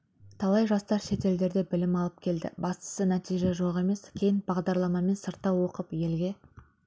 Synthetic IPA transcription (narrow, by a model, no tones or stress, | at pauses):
t̪ʰɑlˠɑjʒɑst̪ɑɾʃe̞t̪e̞ld̪e̞ɾd̪e̞bɪlɪmɑlˠəp̚kʲʰe̞ld̪ɪ̰bɑst̪ə̥sənæt̪ijʒe̞ʒo̞ʁe̞me̞skʲʰe̞jɪnbɑʁd̪ɑɾlˠɑmɑme̞nsəɾt̪ːɑwo̞qəpje̞lɡʲe̞